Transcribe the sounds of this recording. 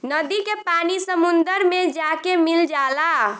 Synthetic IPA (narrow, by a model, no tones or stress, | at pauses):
nəd̪ikepanisəmund̪əɾmed͡ʒakemild͡ʒala